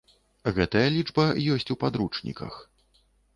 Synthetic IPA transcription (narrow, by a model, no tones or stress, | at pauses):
ɣɛt̪ɐjɐlʲid͡ʐbɐjɔsʲt͡sʲupad̪ɾut͡ʂnʲḭkɐ̰x